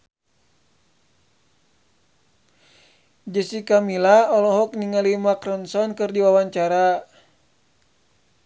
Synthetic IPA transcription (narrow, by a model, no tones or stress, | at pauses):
d͡ʒəsikamilaɔlɔɦɔk̚niŋalimakrɔnsɔnkɨrdiwawaɲt͡ʃaɾa